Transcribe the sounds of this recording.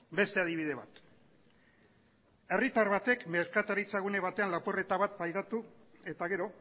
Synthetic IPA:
be̞st̪e̞aðiβ̞ið̞e̞βa̰t̪ | e̞rit̪aɾβat̪e̞kme̞ɾkat̪aɾit͡saɣune̞β̞at̪e̞anlapure̞t̪aβat̪̚bajðat̪ue̞t̪aɣe̞ɾo̞

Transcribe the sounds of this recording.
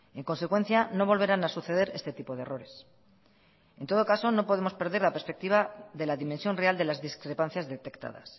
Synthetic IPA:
e̞ŋko̞nse̞kwe̞n̟θjano̞β̞o̞lβ̞eɾanasuθeð̞e̞ɾe̞st̪e̞t̪ipo̞ðe̞ro̞ɾe̞s | e̞nt̪o̞ð̞o̞kaso̞no̞po̞ðemo̞spe̞ɾðeɾlape̞ɾspe̞k̚t̪iβ̞aðe̞laðimẽnsjo̞nreald̪e̞lazðiskɾe̞pan̟θjazðe̞t̪e̞kt̪a̰ða̰s

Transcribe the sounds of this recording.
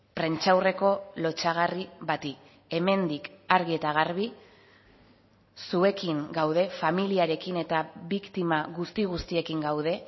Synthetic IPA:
pɾe̞nt͡ʃawre̞ko̞lo̞t͡ʃaɣ̞ariβat̪i | e̞me̞nd̪ikaɾɣ̞ie̞t̪aɣ̞aɾβ̞i | sue̞kiŋɡawð̞e̞familiaɾe̞kine̞t̪aβikt̪imaɣust̪iɣ̞ust̪ie̞kiŋɡawðe̞

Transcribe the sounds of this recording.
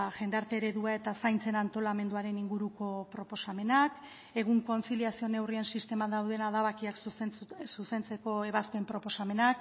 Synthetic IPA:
ʝe̞nd̪aɾt̪e̞ɾe̞ðuae̞t̪asajnt͡se̞nant̪o̞lame̞nd̪uaɾe̞niŋɡuɾuko̞pɾo̞po̞same̞nak | e̞ɣ̞uŋko̞nsiliasio̞ne̞wriensist̪e̞mad̪awðe̞naðaβakiakssuse̞nt͡se̞ko̞e̞β̞aspe̞mpɾo̞po̞same̞nak

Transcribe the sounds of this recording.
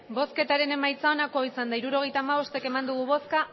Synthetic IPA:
bo̞ske̞t̪aɾe̞ne̞majt͡saonako̞isand̪aiɾuɾo̞ɣ̞e̞jt̪aːmaβo̞st̪e̞ke̞mand̪uɣuβo̞ska

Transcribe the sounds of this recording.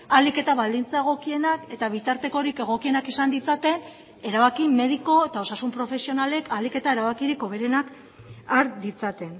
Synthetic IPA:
alike̞t̪aβald̪int͡sae̞ɣ̞o̞kie̞nake̞t̪aβ̞it̪aɾt̪e̞ko̞ɾike̞ɣ̞o̞kie̞nakisand̪it͡sat̪e̞n | e̞ɾaβakime̞ð̞iko̞e̞t̪ao̞sasumpɾo̞fe̞sio̞nale̞kalike̞t̪ae̞ɾaβakiɾiko̞βe̞ɾe̞nak | aɾd̪it͡sat̪e̞n

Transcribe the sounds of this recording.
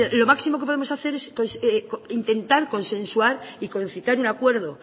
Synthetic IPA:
alo̞maksimo̞kepo̞ðemo̞saθe̞ɾe̞skosekint̪e̞nt̪aɾko̞nsẽ̞nswaɾiko̞nθit̪aɾunakwe̞ɾðo̞

